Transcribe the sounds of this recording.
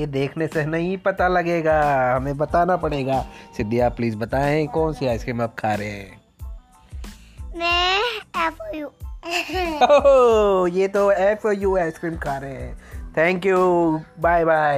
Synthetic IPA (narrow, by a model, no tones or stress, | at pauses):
jed̪eːkʰnesenɐɦĩpɐt̪alɐɡeːɡaːɦɐmẽbɐt̪aːnapɐɽeːɡaːsɪd̪ːijaːpliːzbɐt̪aːẽkɔːnseaːɪskɾiːmap̚kʰaːɾeɦɛ̰̃ː | mɛ̃ɛpɔju | o | jet̪oɛːpʰɔjuːaːɪskɾiːmkʰaːɾeɦɛ̃ːt̪ʰɛ̃ːŋkjubaːɪbaːɪ